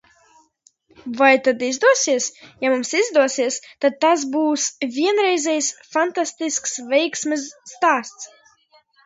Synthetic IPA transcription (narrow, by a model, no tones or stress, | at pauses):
vajt̪ad̪izd̪uɔsiɛsjamumsizd̪uɔsiɛst̪ad̪̚t̪as̬buːsvʲiɛnɾɛjzʲɛjsfant̪ast̪isksvʲɛjksmʲɛsːt̪aːst̪s